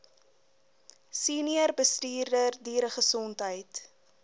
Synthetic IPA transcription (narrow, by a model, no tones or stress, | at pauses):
siːniərbəstyːrdərdiːɾəχəsɔntɦəjt